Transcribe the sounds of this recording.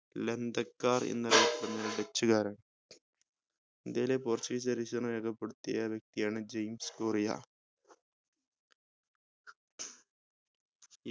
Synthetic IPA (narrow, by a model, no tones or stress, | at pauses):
lend̪ɐkːaːrḛnːɐlijɐpːɐɽɐnːɐlɐɖet͡ɕːuɣaːɾaːɳɨ | end̪ejleport͡ɕːiisɐɾisɐnɐʋeːkʰɐpːeɽut̪ːijɐʋjɐk̚t̪ijaːɳɨd͡ʑejmskoːrija̰